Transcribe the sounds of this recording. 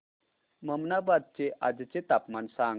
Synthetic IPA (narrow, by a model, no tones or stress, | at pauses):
məmnabad̪̚t͡seʔad͡zt͡set̪apmansãŋ